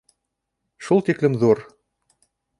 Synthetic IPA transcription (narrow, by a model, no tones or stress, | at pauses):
ʃulˠt̪iklɘmðuɾ